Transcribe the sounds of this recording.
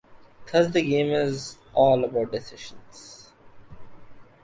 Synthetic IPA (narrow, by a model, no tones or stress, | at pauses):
kʰʌzd̪əɡẽːmɪz | ɔːləbaʊʈ̚ɖɪsɪʃə̃nz̥